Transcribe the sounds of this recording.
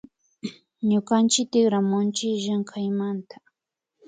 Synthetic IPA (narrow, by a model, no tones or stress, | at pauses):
ɲʊkant͡ʃɪk̚t̪ɪχɾamʊnt͡ʃɪʒaŋkʰajmant̪ḁ